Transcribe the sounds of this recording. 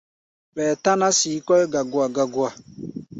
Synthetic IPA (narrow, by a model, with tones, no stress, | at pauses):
ɓɛ˨ta˦na˦si˨˦kɔ˦lɡa˨ɡu˨a˨ɡa˨ɡu˨a˨